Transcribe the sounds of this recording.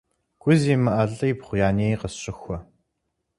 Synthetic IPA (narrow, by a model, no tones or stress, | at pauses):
ɡ̥ʷʊziːmɐʔɐɮɐipχʷʊjaːneːjqəsɕʼɪxʷɔ